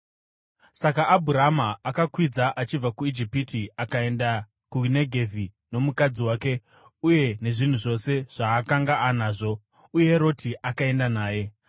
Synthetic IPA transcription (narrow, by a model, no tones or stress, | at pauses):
sakaːbʱuɾamaakakwid͡zaʔat͡ʃib͡vakuid͡ʒipitiakae̞nda | kuneɡʱe̞vi | no̞mukad͡ziwaːke̞ | uje̞ne̞ʐin̤uʐo̞se̞ʐ̥aːkaŋɡaanaːʐo̞ | ujeɾo̞tʰiʔakae̞ndanaːje̞